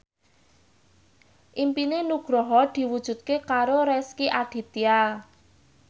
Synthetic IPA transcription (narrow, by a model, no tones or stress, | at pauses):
ʔimpinenuɡ̥ɾɔɦɔd̪̥i̤wud̥ʒ̥ṳt̪̚kekaɾoɾɛskiʔaɖ̥i̤t̪ial